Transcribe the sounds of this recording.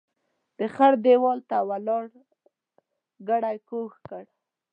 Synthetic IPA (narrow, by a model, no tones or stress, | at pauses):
d̪̥əxaɾd̪ewɔlt̪awalɑɽ | ɡaɽajkoxkəɽ